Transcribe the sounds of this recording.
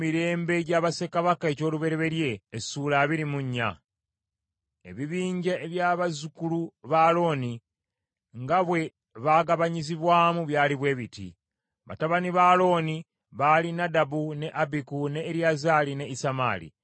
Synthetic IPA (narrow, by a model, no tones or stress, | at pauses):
miɾe̞ːmbe̞ɟaβase̞kaβakae̞co̞ːluβe̞ɾe̞βe̞ɾje̞ːsulaβiɾimuɲːa̰ | ḛβiβiːɲɟeʔːβjaːβazukuluβalo̞ːni | ŋɡaβwe̞ | βaːɡaβaɲiziβwaːmuβjaːliβwe̞ːβitḭ | βa̰taβaniβaːlo̞ːni | βaːlinadabune̞ʔabikune̞ːɾjazaːline̞isama̰ːlḭ